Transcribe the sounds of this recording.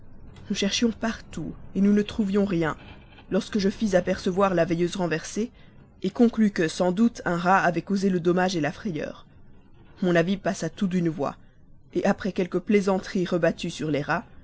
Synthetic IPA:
nuʃɛʁʃjɔ̃paʁt̪uenunət̪χuvjɔ̃ʁjɛ̃ | lɔʁskəʒəfizapɛʁsəvwaʁlavejøzʁɑ̃vɛʁse | ekɔ̃klykəsɑ̃d̪ut̪ʰɛ̃ʁaːvɛkozeləd̪ɔmaʒelafχɛjœ̰ːʁ | mɔ̃navipasat̪ut̪̬ynvwa̰ | eʔapχɛkʲɛlkəplezɑ̃t̪χiʁəbat̪ysyʁleʁa

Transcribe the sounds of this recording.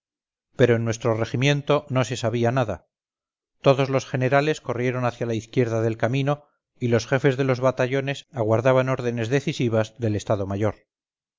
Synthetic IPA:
pe̞ɾo̞enːwe̞st̪ɾo̞re̞ximjẽ̞nt̪o̞no̞se̞saβianaða | t̪o̞ðo̞zlo̞sχe̞ne̞ɾale̞sko̞rje̞ɾo̞naθjalaiθkje̞ɾðaðe̞lkamĩno̞ | ilo̞sxe̞fe̞zðe̞lo̞zβat̪aʝo̞ne̞saɣwaɾðaβano̞ɾðe̞ne̞zðe̞θisiβ̞azðe̞le̞st̪aðo̞maʝo̞ɾ

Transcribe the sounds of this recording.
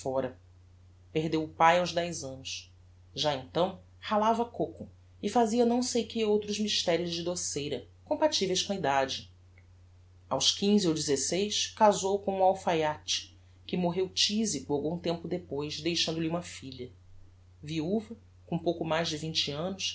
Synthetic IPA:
fɔɾɐ | peɦd̪ewʊpajawzd̪ɛjzɐ̃nʊs | ʒaẽnt̪ɐ̃w̃ | halavɐkokʊ | ɪfaziɐnɐ̃w̃sejkɪowt̪ɾʊzmiʃt̪ɛɾjʊzd͡ʒɪd̪osejɾɐ | kõmpat͡ʃivejʃkõɐid̪ad͡ʒɪ | a̰wʃkĩziowd͡ʒizesejskazowkõũawfajat͡ʃɪ̥ | kɪmoɦewt͡ʃizikʊawɡũt̪ẽmpʊd̪epojzd̪ejʃɐ̃nd̪ʊliũmɐfiʎɐ | viuvɐ | kõpowkʊmajzd͡ʒɪvĩnt͡ʃɪɐ̃nʊs

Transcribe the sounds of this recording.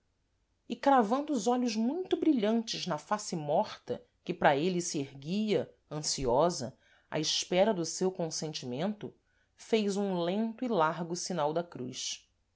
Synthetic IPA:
ikɾavɐ̃nd̪ʊːzɔʎʊʒmũj̃t̪ʊbɾiʎɐ̃nt͡ʃɪznɐfasɪmɔχt̪ɐ̰ | kɪpɾɐelɪsiehɡijɐ | ɐ̃siɔzɐ̰ | a̰ɪʃpɛɾɐd̪ʊsewkõsẽnt͡ʃimẽnt̪ʊ | fejzũlẽnt̪ʊilaɾɡʊsinawd̪ɐkɾujs

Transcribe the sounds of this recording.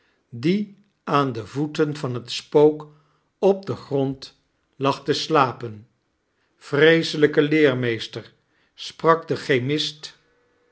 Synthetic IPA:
di | aːndəvutənvɑnɦətspowk | ɔb̚dəχrɔnt | lɑχtəslaːpən | frejsələkəlɪːɹmejstəɹ | sprɑɡdəχejmɪst

